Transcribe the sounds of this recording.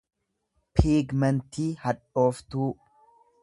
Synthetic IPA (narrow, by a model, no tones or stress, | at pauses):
pʰiːɡmɛnt̪iːhɐᶑo̞ːft̪uː